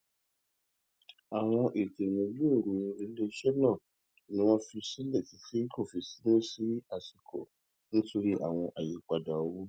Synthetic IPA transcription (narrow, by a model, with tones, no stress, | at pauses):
a˨w̃ɔ̃˧ʔe˨te˨wũ˧lu˦e˦˨ɾu˨ĩ˧e˨˧˦le˦˧˦ʃɛ˦nã˦˨ | nĩ˦w̃ɔ̃˦fi˧sĩ˦lɛ˦˨ti˨˧˦si˦i˦ko˦˨fi˧si˨˦nũ˦si˨˦a˦˨si˨kɔ̰˨ | nĩ˦to˧ɾi˦ʔa̰˦˨w̃ɔ̃˧ʔa˨ji˨k͡pa˨da˨o˧˦wu˦